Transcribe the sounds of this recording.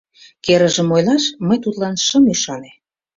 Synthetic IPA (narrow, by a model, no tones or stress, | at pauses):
keɾə̆ʒə̆mojlɑʃməjt̪ut̪lɑnʃəmyʃɑne